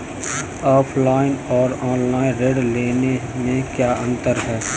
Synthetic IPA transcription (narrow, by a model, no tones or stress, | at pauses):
ɔːpʰlaːɪnɔːɾɔːnlaːɪ̃nɾeːɖleːnemẽkjaːʔə̃nt̪əɾɦɛː